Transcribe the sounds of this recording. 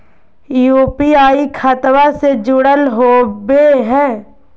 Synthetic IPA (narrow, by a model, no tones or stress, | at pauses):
juːpiaːikʰat̪wased͡ʒʊɽəlɦoːbeɦɛ̃ː